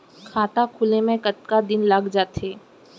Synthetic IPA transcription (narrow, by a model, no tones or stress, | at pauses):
kʰaːt̪akʰʊlemẽkət̪kad̪ɪnlaɡd͡ʒaːt̪ɦeː